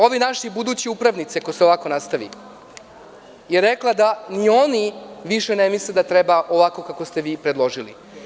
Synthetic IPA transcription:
o̞ʋenaʃibud̪uːt͡ɕiupɾaʋnit̪sekoseoʋako̞nast̪aʋḭ | jeɾeklˠad̪anio̞niʋiʃenemisled̪at̪ɾebaʔo̞ʋako̞kako̞st̪e̞ʋiːpɾed̪lˠo̞ʒilḭ

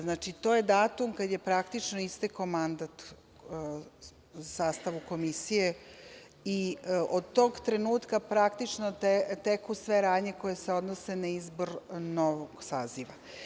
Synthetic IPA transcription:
znat͡ʃit̪o̞je̞d̪aːt̪umkad̪je̞pɾakt̪it͡ʃnoist̪ekomand̪at̪ | saːst̪aʋuko̞misije̞ | iʔod̪t̪o̞ɡt̪ɾe̞nuːt̪kapɾakt̪it͡ʃnot̪et̪ekusʋe̞ɾaːd̪ɲe̞ko̞jeseo̞d̪nose̞naizbo̞ɾno̞ʋoɡ̥saːziʋa

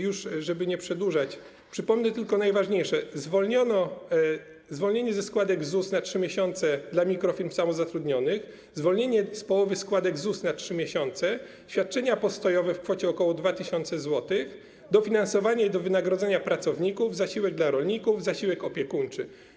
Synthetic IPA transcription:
juʂʐɛbɘɲɛpʂɛd̪wuʐat͡ɕ | pʂɘpɔmnɛt̪ɘlkɔnajvaʐɲejʂɛzvɔlɲɔnɔ | zvɔlɲeɲɛzɛskwad̪ɛɡzusnatʂɘmʲjeɕɔnt̪sɛd̪lamʲikɾɔfʲiɾmsamɔzat̪ɾud̪ɲɔnɘx | zvɔlɲeɲɛspɔwɔvɘskwad̪ɛɡzusnatʂɘmʲjeɕɔnt̪sɛ | ɕfʲjat̪̚t͡ʂɛɲapɔst̪ɔjɔvɛfkfɔt͡ɕɛɔkɔwɔd̪vat̪ɘɕɔnt̪sɛzwɔt̪ɘx | d̪ɔfʲinansɔvaɲɛid̪ɔvɘnaɡɾɔd̪zɛɲapɾat̪sɔvɲikuvzaɕiwɛɡ̚d̪laɾɔlɲikuvzaɕiwɛkɔpʲjɛkunt͡ʂɘ

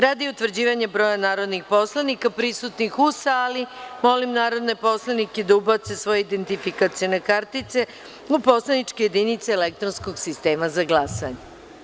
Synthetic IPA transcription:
ɾaːd̪iut̪ʋr̩d͡ʑiːʋaɲabɾo̞ːjanaːɾo̞d̪nixpo̞slˠanikapɾisut̪nixusaːlimo̞limnaːɾo̞d̪ne̞po̞slˠaniked̪aubat̪se̞sʋo̞jeid̪e̞nt̪ifikat̪sio̞ne̞kaɾt̪it̪se | upo̞slˠanit͡ʃkeje̞d̪init̪seːlek̚t̪ɾonsko̞ɡsist̪e̞ːmazaɡlˠasa̰ɲe

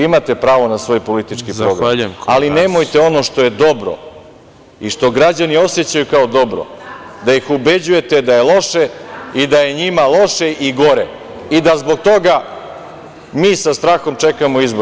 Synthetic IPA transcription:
imat̪e̞pɾaːʋo̞nasʋo̞ːjpo̞lit̪it͡ʃkipɾɾoɡɾaaline̞mo̞jt̪e̞o̞noʃt̪o̞je̞d̪o̞bɾo̞̰ | iʃt̪o̞ɡɾad͡ʑanio̞set͡ɕajukaod̪o̞bɾo̰d̪ajixube̞d͡ʑuje̞t̪e̞d̪aje̞lo̞ʃeid̪aje̞ɲimalˠo̞ʃe̞ʔiɡo̞ɾe | id̪azbo̞k̚t̪o̞ɡa | miːsast̪ɾaːxo̞mt͡ʂe̞kamoizbo

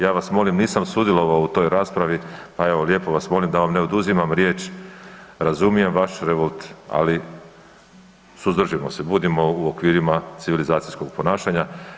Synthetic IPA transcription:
jaːʋasmo̞limniːsamsud̪jelˠo̞ʋaout̪o̞ːjɾaːspɾaʋipae̞ʋolje̞po̞ʋasmo̞ːlimd̪aʋamne̞od̪uzimamɾje̞ːt͡ʃ | ɾazumije̞mʋaʃɾeʋo̞lˠt̪a̰li | suzd̪r̩ʒimo̞̰sebuːd̪imo̞uokʋiːɾimat̪siʋilizaːt̪sijsko̞ɡ̚po̞naːʃaɲa

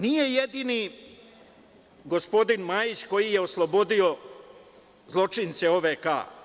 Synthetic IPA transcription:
nije̞jed̪ini | ɡo̞spo̞d̪inmajit͡ɕko̞jije̞oslˠobo̞d̪io̞ | zlˠo̞t͡ʂinseoʋeka̰ː

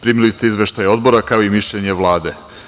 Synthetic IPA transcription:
pɾiːmilist̪e̞izʋe̞ʃt̪ajo̞d̪̚bo̞ɾakaoimiʃʎeɲe̞ʋlˠaːd̪e̞

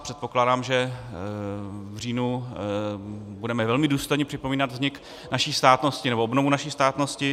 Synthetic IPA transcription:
pr̝̥ɛt̪̚po̞klaːdaːmʒɛ | vr̝iːnu | budɛmɛvɛlmɪduːst̪o̞jɲɛpr̝̥ɪpo̞miːnad̪vzɲɪk | naʃiːst̪aːt̪no̞scɪnɛboʔobno̞vunaʃiːst̪aːt̪no̞scɪ

